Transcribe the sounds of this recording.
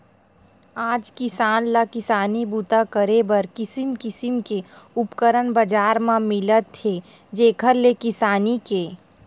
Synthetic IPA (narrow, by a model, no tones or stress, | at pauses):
aːd͡ʒkɪsaːnlakɪsaːnibut̪akəɾebɐɾkɪsɪmkɪsɪmkeʊpkəɾənbəd͡ʒaːɾmãmɪlət̪ʰːe | d͡ʒeːkʰəɾlekɪsaːnikeː